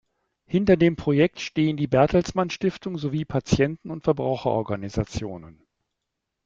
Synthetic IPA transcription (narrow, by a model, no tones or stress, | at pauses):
hɪntɐdeːmpʁ̥ojɛk̚tʃteːəndiːbɛɐtl̩smanʃtɪftʊŋzoviːpʰat͡sjɛntn̩ʊntfɛɐbʁa̰ʊxɐʔɔ̰ɐɡanizat͡sjoːnən